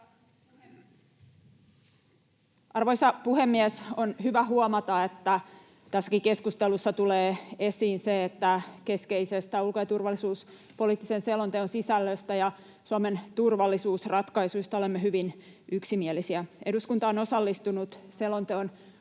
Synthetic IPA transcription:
ɑrʋo̞jsɑpuhe̞mːiesonhyʋæɦuomɑt̪ɑet̪ːæ | t̪æsːæ̥kike̞skust̪e̞lusːɑt̪uleːe̞siːnseːt̪ːæke̞ske̞isest̪æulkojɑt̪urʋɑlːisuːs | po̞lit̪ːisenselo̞nt̪eonsisælːøst̪æjɑ | suɑme̞nt̪urʋɑlːisuːsrɑt̪kɑjsujst̪ɑo̞lemːeɦyʋin | ʔyksimielisiæe̞duskunt̪ɑono̞sɑlːist̪unut̪selont̪eon

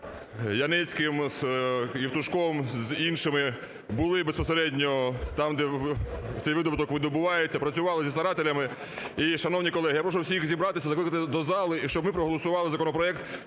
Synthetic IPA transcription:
jɐnɛt͡sʲkɪmz̥iwt̪ʊʃkɔmzinʃɪmɪ | bʊlˠɪbespɔseɾɛdʲnʲɔt̪ɑmd̪ɛt̪sɛjʋɪd̪ɔbʊt̪ɔkʋɪd̪ɔbʊʋɑjet͡sʲːɐpɾɐt͡sʲʊʋɑlˠɪzʲist̪ɐɾɑt̪elʲɐmɪ | iʃɐnɔwnʲikɔlˠɛɦijapɾɔʃʊwsʲiixzʲibɾɑt̪ɪsʲɐzɐklɪkɐt̪ɪd̪ɔzɑlˠɪiʃt͡ʃɔbmɪpɾɔɦɔlˠɔsʊʋɑlˠɪzɐkɔnɔpɾɔɛk̚t̪

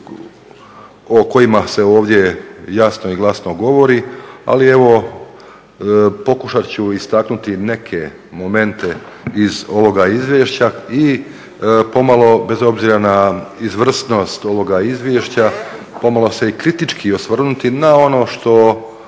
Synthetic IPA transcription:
oko̞imase̞o̞ːʋd̪je̞jasnoiɡlˠasno̞ɡo̞ʋo̞ɾia̰lieʋo̞ | po̞kuʃat͡ɕuist̪aknut̪ine̞kʰe̞ | mo̞me̞nt̪e̞ | izo̞ʋo̞ɡaizʋjeːʃt͡ɕai | po̞malˠo̞be̞zo̞bziɾanaizʋr̩sno̞st̪o̞ʋo̞ɡaizʋjeːʃt͡ɕa | po̞malˠo̞se̞ikɾit̪it͡ʃkʰiosʋr̩nut̪inao̞no̞ːʃt̪o̞

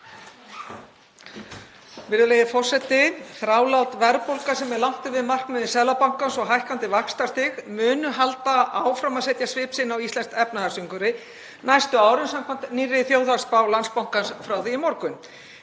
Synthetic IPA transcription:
vɪɾðʏlejðɪfɔr̥sɛt̪ːɪθɾaːwlawt̪vɛɾpowlkasɛmɛɾlawŋ̥t̪ɪvɪðmar̥knɛðɪsɛðlapawŋ̥kansɔɣɦajhkant̪ɪvakst̪ast̪ɪɣmʏːnʏɦalt̪aaːwfɾamaðsɛjt̪jasvɪːpsɪnawist̪ɛnst̪ɛpnaðasiŋkʏɾɪ | najst̪ʏaːwɾɪnsamkʰant̪nirːɪθjoːwðast̪paːwlanspawŋ̥kansfɾawθiɪmɔɾkʏn

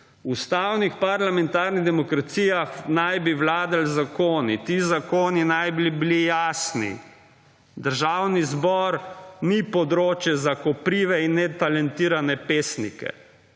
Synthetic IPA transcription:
ust̪awnixpaɾlamɛnt̪aːɾniɣd̪ɛmɔkɾat̪siːjaxnajbiwlaːd̪alzakoːnit̪iːzakoːninajbilibilijaːsnḭ | d̪əɾʒawnizbɔɾnipɔd̪ɾoːt͡ʃjɛzakɔpɾiːʋɛinːɛt̪alɛnt̪iːɾanɛpeːsnḭkɛ̰

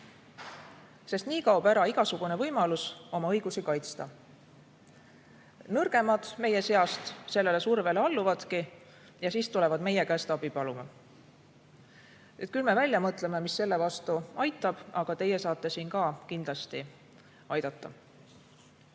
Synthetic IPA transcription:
se̞st̪niːkɑuwb̥æɾɑiɡ̥ɑsuɡ̥une̞vɤ̞jmɑluso̞mɑɤjɡ̥usikɑjt̪st̪ɑ | nɤrɡ̥e̞mɑd̪̥me̞je̞se̞ɑst̪se̞lːe̞le̞surve̞leɑlːuvɑd̪̥ki | jɑsiːst̪ule̞vɑd̪̥me̞je̞kæːst̪ɑbipɑlumɑ | e̞t̪̚kylme̞vælʲjɑmɤt̪ˑle̞me̞misːe̞lːe̞vɑst̪uɑjt̪ːˑɑb̥ɑɡ̥ɑt̪e̞je̞sɑːt̪ːˑe̞siːnkɑːkind̪lɑst̪i | ɑjd̪̥ɑt̪ˑːɑ̰

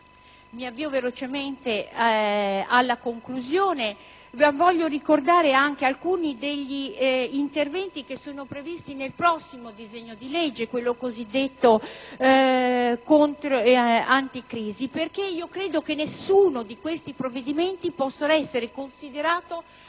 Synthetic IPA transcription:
miavːiːovelot͡ʃement̪e | alːakoŋkluzjoːne | vvɔʎːoɾikord̪aːɾeaŋk̟ealkuːnid̪eʎːiint̪ervɛnt̪ikesoːnopɾevist̪inelpɾɔsːimod̪izeɲːod̪ilɛd͡ʒːekwelːokozid̪ːet̪ːo | kont̪ɾant̪ikɾiːziperk̟eiːokɾeːd̪ok̟enːesːuːnod̪ikwest̪ipɾovːed̪iment̪ipɔsːoɛsːeɾekonsid̪eɾaːt̪o

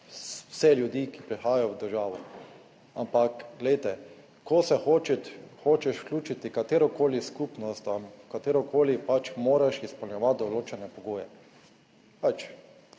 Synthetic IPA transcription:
sɛljud̪iːkipɾixaːjajɔwd̪əɾʒaːʋɔ | a̰mpakɡlɛjt̪ɛ | kɔsɛxot͡ʃɛt̪xoːt͡ʃɛʃw̥klʲuːt͡ʃit̪ikat̪eːɾɔkʰoːliskupnɔst̪amkat̪eːɾɔkʰoːlipat͡ʃmoːɾaʃispɔlɲɛʋat̪̚d̪ɔloːt͡ʃɛnɛpɔɡoːjɛ | pat͡ʃ

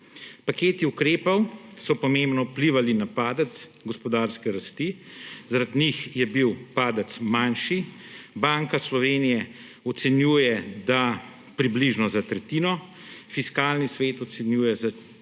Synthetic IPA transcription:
pakeːt̪iukɾeːpɐwsɔpɔmẽmbnɔupliʋalinapaːd̪ət̪sɡɔspɔd̪aːɾskɛɾast̪izaɾad̪nixjɛbiwpaːd̪ət̪smanʃibaŋkaslɔʋeːnijɛ | ɔt̪sɛnjuːjɛd̪a | pɾibliʒnɔzat̪ɾɛt̪iːnɔ | fiskaːlnisʋeːt̪ɔt̪sɛnjuːjɛza

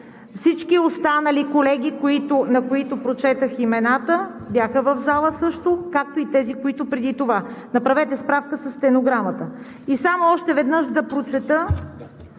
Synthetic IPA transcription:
fsit͡ʃkiost̪anɐlikolɛɡʲikoit̪ʊnɐkoit̪opɾot͡ʃɛt̪əximɛnat̪əbjaxəvɐvzalˠəsɤʃt̪okak̚t̪oit̪ɛzikoit̪opɾɛd̪it̪ovanɐpɾɐvɛt̪ɛspɾafkəsəst̪ɛnoɡɾamət̪ə | isamoɔʃt̪ɛvɛd̪nɤʃd̪ɐpɾot͡ʃɛt̪ə

